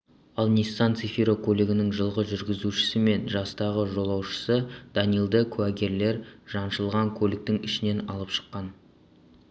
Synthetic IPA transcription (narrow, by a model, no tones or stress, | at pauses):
ɑlˠnʲisːɑnt̪sifiɾokʰolːeɡʲɪnɪŋʒəlˠʁəʒʏɾɡʲɪzuʃɪ̥sɪme̞nʒɑst̪ɑʁəʒo̞lˠɑwʃə̥səd̪ɑnijlˠd̪əkʲʰæɡʲe̞ɾle̞ɾʒ̥ɑnʃəlˠʁɑŋkʲʰɵlɪk̚t̪ɪŋɪʃɪne̞nɑlˠəpʃə̥qːɑn